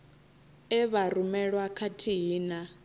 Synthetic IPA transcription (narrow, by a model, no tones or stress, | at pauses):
ɛβaɾumɛɺwakʰatʰiɦiːna